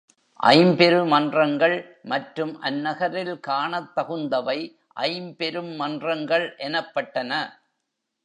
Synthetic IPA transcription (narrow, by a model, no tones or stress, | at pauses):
ʔɐ̰ɪmpɛɾɯmɐndrɐŋɡɐɭ | mɐʈrɯmʔɐnːɐɣɐɾɪlkaːɳɐt̪ːɐɣɯnd̪ɐʋɐɪ | ʔɐ̰ɪmpɛɾɯmːɐndrɐŋɡɐɭʔɛnɐpːɐʈːɐnɐ